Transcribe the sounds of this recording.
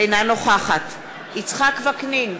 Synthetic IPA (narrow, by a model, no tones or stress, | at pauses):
ejnanoχaχat | it͡sχakvaknin